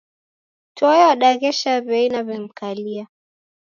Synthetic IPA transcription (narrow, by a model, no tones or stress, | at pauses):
tɔɛwaɗaɣɛʃaβɛinaβɛm̩kalia